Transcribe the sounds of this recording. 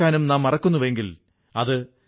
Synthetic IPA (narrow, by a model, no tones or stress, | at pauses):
aːnumnaːmːɐrɐkːunːuʋe̞ŋɡil | ɐðɨ